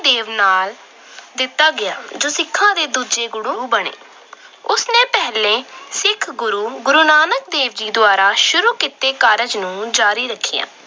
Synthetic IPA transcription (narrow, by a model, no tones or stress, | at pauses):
d̪eːʋnaːl | d̪ɪt̪ːaːɡɪjaːd͡ʒoːsɪkʰːãːd̪eːd̪uːd͡ʒeːɡʊɽuːbəɽḛː | ʊsnẽːpɛɦlẽːsɪkʰɡʊɾuːɡʊɾuːnaːnək̚d̪eːʋd͡ʒiːd̪ʊaːɾaːʃʊɾuːkɪt̪eːkaːɾəd͡ʒnũːd͡ʒaːɾiːɾəkʰːḭjã̰ː